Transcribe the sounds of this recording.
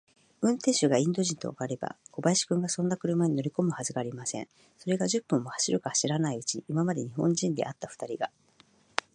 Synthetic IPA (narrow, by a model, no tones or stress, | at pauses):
ɯ̟̃nt̪ẽ̞ɰ̃ɕɨɡaĩnd̪o̞ʑĩnt̪o̞̰ːɡaɾe̞ba̰ko̞baiɕi̥kɯ̟̃ŋɡasõ̞nːakɯ̟ɾɯ̟maɲ̟ino̞ɾʲiko̞mɯ̟hazɨɡaːɾʲimasẽ̞̰ɴ | so̞ɾe̞ɡaʑɨpːɯ̟̃mːo̞hḁɕiɾɯ̟kahaɕiɾanaiɯ̟t͡ɕiʔimamad̪e̞ɲ̟ihõ̞ɲd͡ʑĩnd̪e̞̰ʔat̪ːaɸɯ̥t̪aɾʲiɡa